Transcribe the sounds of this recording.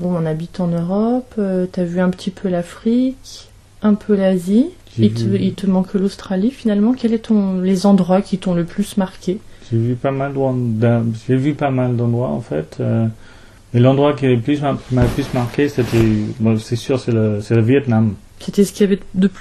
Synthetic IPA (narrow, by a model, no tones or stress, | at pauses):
bɔ̃ɔ̃nabit̪ɑ̃nøʁɔpøt̪yavyɛ̃pə̥t̪ipʰølafχik | ɛ̃pʰølazi | ʒilt̪əilt̪əmɑ̃kɛlost̪χalifinalmɑ̃kʲɛlɛt̪ɔ̃lezɑ̃d̪ʁwakʰʲit̪ɔ̃ləplysmaʁkʲeʒevypamald̪ɑ̃d̪aʒevypamald̪ɑ̃d̪ʁwa̰ɑ̰̃fɛ̰t̪ø | mɛlɑ̃d̪ʁwakiləplysakimaplysmaʁkʲeset̪ɛbɔ̃sɛsyʁsɛləsɛləvjɛt̪nam | set̪ɛsə̥kʲiavɛd̪əp